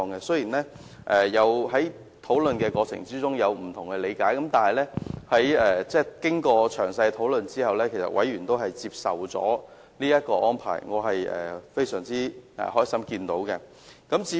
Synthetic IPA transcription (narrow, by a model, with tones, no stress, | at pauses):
ŋkɛ˧sɵ˥jiː˨˩nlɛː˥ | ʔɛː˨jɐ˨˧wɦɐ˨˥j | t̪ʰo˨˥wlɵ˨nkɛː˧kɔː˧t͡sʰɪ̰˨˩ŋt͡siː˥t͡sʊ˥ŋjɐ˨˧wm̩˨˩t̪ʰʊ˨˩ŋkɛ˧le˨˧jkaː˨˥jkɐ˨˥mt̪aː˨nɦɐ˨jlɛː˥hɐ˨˥jɛː˨t͡sɛː˥kɪ˥ŋkɔː˧t͡ʃʰœː˨˩ŋsɐ˧jt̪ʰo˨˥wlɵ˨nt͡siː˥hɐ˨wlɛː˥kʰe˨˩sɐ̰˨t̚wʔɐ˨˥jɥyː˨˩nt̪o˥wɦɐ˨jt͡siː˧p̚sɐ˨wt͡sɔ̰ː˨˥ | liː˥jɐ˥t̚kɔː˧ʔɔː˥npʰa̰ː˨˩jŋɔː˨˧ɦɐ˨jʔɛ̰ː˨˩fe˥jsœː˨˩ŋt͡siː˥ʔɛ̰ː˨˩hɔː˥jsɐ˥mkiː˧nt̪o˨˥wkɛ˧ | kɐ˨˥mt͡siː˨˥